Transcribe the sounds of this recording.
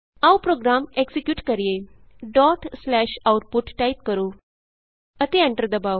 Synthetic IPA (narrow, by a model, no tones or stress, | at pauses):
awpɾoɡɾameksikjuːʈkəɾije | ɖɔʈslæɕawʈ̚puʈʈajit̪̚kəɾu | ət̪eãɳʈəɾd̪əbaw